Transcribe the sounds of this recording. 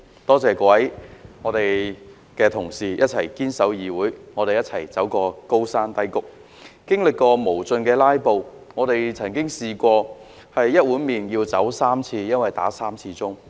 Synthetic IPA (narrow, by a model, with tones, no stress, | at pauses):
t̪ɔː˥t͡sɛː˨kwɐ˨˥jŋɔː˨˧t̪e˨j | kɛː˧t̪ʰʊ˨˩ŋsiː˨jʔɐ˥t̚t͡sʰɐ˨˩jkiː˥nsɐ˨˥wjiː˨wuː˨˥jŋɔː˨˧ɾe˨jɐ˥t̚t͡sʰɐ˨˩jt͡sɐ˨˥wkɔː˧ko˥wsaː˥nt̪ɐ˥jkʊ˨˥k̚ | kɪ˥ŋlɪ˨kːɔː˧mo˨˩wt͡sɵ˧nkɛː˧laː˥jpo˨w | ŋɔː˨˧ɾe˨jt͡sʰɐ˨˩nkɪ˥ŋsiː˨˧kʷɔː˧ | hɐ˨jːɐ˥t̚wuː˨˥nmiː˨njiː˧wt͡sɐ˨˥wsaː˥mt͡sʰiː˧jɐ˥nwɐ˨jt̪a̰ː˨˥saː˥mt͡sʰiː˧t͡sʊ˥ŋ